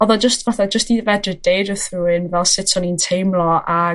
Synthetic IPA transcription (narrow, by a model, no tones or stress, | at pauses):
ɔðɔd͡ʒəstvaθad͡ʒəstniːðəvɛdrəd̥eːdəθruːɪnvɛlˠsɪtʰɔnintʰejmlˠɔa